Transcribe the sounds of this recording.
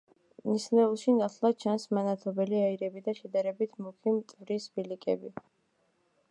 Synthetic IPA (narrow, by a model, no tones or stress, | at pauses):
nislɛulˠʃinat̪ʰlˠḁt͡ʃʰansmanat̪ʰɔbɛliaiɾɛbid̪aʃɛd̪aɾɛbit̪ʰmukʰimt̪ʼvɾisbilikʼɛ̰bi